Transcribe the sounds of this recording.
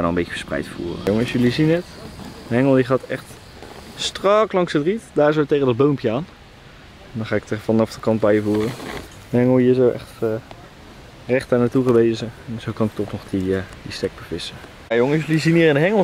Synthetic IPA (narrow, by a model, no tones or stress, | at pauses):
anɔəmbejəfə̥sprɛ̰jtfṵːrə̰joŋəsjəlizinətdəɦɛŋəlˠdiχaːtɛχt | strɑklɑŋsətritdaːɹsowtejχədɑd̚bowmpjəaːn | ɛndɔnχaːɪktəvɑnɑfdəkɑnd̚bɛjvuːrə | əɦɛŋəlˠɦiːs̬owʔɛ̰χt | rɛχtaːɹnaːtuχəʋejzəɛnz̥owkɑnɪk̚tɔχnɔχdiədistɛɡ̚bəvɪsə | ajoŋəsjliziniːɾɪndəɦɛŋəlˠ